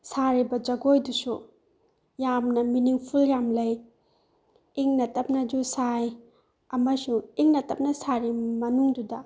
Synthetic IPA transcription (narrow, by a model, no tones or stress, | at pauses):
saɾibɐd͡ʒɐɡojdusu | jamnɐminiŋpʰuljamlɐj | iŋnɐtɐp̚nɐd͡ʒusaj | ɐmɐsuŋiŋnɐtɐp̚nɐsaɾimɐnuŋdudɐ